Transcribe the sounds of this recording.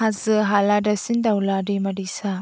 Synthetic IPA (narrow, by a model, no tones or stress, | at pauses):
azɯɦaladasindawlaɾimaɾisa